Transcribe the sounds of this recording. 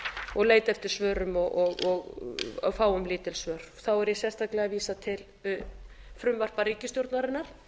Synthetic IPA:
ɔɣleːjt̪ɛft̪ɪɾ̥svœːɾʏmɔɣɔɣɔɣ | faːwʏmlɪːt̪ɪlsvœːɾ̥θawɛɾjɛsɛst̪ʰaklɛɣaviːsat̪ʰɪl | fɾʏmvar̥pariːcɪst̪jowɾt̪naɾɪnːaɾ̥

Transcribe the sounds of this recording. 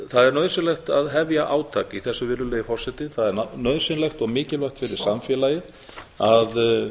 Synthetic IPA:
θaðɛɾnœːðsɪnlɛxt̪aðɦɛvjaʔaːwt̪ʰaːkiθɛsːʏvɪɾðʏlɛːjɪfɔr̥sɛt̪ɪθaðɛɾnnœːðsɪnlɛxt̪ɔɣmɪːcɪlvœxt̪fɪɾɪɾ̥samfjɛːlajɪð | að

